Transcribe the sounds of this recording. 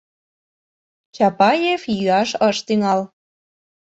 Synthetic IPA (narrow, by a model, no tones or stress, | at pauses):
t͡ɕɑpɑjefjyɑʃəʃt̪yŋɑl